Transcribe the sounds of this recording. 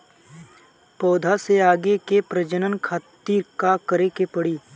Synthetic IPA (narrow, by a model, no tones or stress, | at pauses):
pɔːd̪ʱaseaːɡekepɾəd͡ʒənənkʰaːt̪iːɾkakəɾekepəɽiː